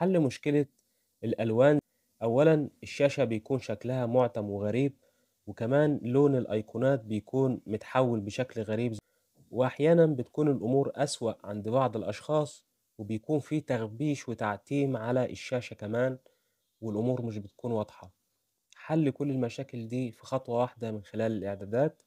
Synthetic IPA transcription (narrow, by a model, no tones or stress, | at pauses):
ħalːmʊʃkɪlæ | elʔælwæːn | ʔæwːælænɪʃːæːʃæbejkuːnʃæklæhæmoʕt̪æmweɣæɾiːb̚ | wekæmæːnloːnelʔɑjqʰunæːt̪̚bejkuːnmʊt̪ħawːelbeʃæklɣæɾiːb | weʔaħjæːnænbɪt̪̚kuːnelʔʊmuːɾʔæswæʔʕa̰nd̪bɑʕd̪ˤelʔɑʃxɑːsˤ | webejkuːnfiːt̪æɣbiːʃwɪt̪aʕt̪iːmʕalæʔɪʃːæːʃækæmæːn | wɪlʔʊmuːɾmɪʃ̬bɪt̪̚kuːnwɑd̪ˤħɑ | ħalːkʊlːɪlmæʃæːkɪld̪iːfixɑt̪ˤwɑwaħd̪æmɪnxelæːlɪlʔeʕd̪æːd̪æːt̪